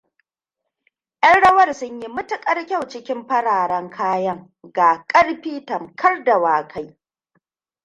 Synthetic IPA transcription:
ʔjʔɐ˦nɽɐ˦wɐ˦˨rsʊ˦ɲji˦mʊ˦tʊ˨kʼɐ˦rkʲa˦˨wt͡ʃɪ˦kʲɪ˦mɸɐ˦ɽaː˨ɽɐ˦ŋkʰaː˦jɐ˦ŋ | ɡaː˨kʼɐ˦ɽɸiː˦tɐ˨mkʰɐ˦rda˨waː˨kʰa˦j

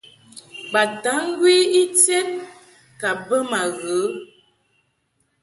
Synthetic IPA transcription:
ɓa˨ta˨˦ŋ˦ɡwi˦i˦te˦n | ka˨bə˦ma˨ɣə˨˦

